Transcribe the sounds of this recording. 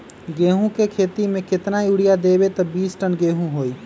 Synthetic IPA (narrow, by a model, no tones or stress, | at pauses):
ɡeːɦũkekʰeːt̪imẽkɪt̪najuːɽijad̪eːbet̪ɐbiːsʈənɡeːɦũɦoːiː